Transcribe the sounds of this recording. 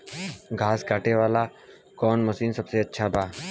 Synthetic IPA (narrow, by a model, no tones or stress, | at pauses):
ɡʱaːskaːʈeʋaːla | kɔːnmɐsiːnsɐbseɐtːʃʰabaː